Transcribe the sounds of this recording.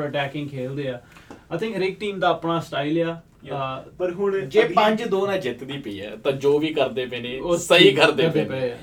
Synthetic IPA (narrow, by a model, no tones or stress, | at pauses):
əʈɛːkɪ̃ŋɡkʰeːld̪eːaːaɪt̪ʰɪ̃ŋkɾɪk̚ʈiːmd̪aːəpnaːsʈaːilaː | d͡ʒeːpə̃ɲd͡ʒd̪oːnãːd͡ʒɪt̪d̪iːpəḭːɛ̰ːt̪ãːd͡ʒoːʋiːkəɾd̪eːpeːnẽːoːsəiːkəɾd̪eeːne